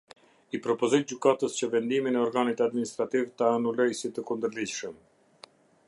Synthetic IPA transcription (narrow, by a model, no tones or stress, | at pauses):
ipɾɔpɔzɔjd͡ʑykat̪əst͡ɕəvɛnd̪iminɛɔɾɡanit̪ad̪minist̪ɾat̪ivt̪aːnulɔjsit̪əkund̪əɾlid͡ʑʃəm